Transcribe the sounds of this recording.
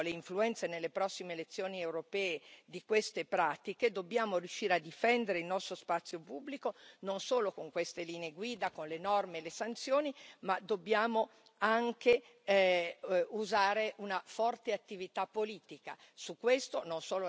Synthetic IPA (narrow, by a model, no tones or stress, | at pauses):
leiɱfluɛnt̪senelːepɾɔsːimeːlet̪sːjoːniewɾopɛːed̪ikwest̪epɾaːt̪iked̪obːjaːmorjuʃːiːɾead̪ːifɛnd̪eɾeilnɔst̪ɾospat̪sːjopubːlikononsoːlokoŋkwest̪eliːneeɡwiːd̪akonlenɔrmeːlesant̪sjoːnimad̪obːjaːmo | aŋke | uzaːɾeʔunafɔrt̪eat̪ːivit̪apːoliːt̪ika̰ | sukːwest̪ononsoːlo